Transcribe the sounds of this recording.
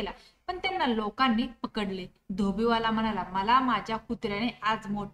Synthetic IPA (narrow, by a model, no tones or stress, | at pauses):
ela | pəɳt̪janːalokãnːiːpəkəɽle | d̪ʱobiʋalam̤əɽ̃alaməlamad͡ʑʱjakut̪ɾjañead͡zmoʈ